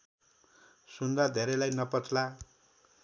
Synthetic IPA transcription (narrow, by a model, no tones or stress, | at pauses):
sund̪ad̪ʱeɾelajnʌpʌt͡sla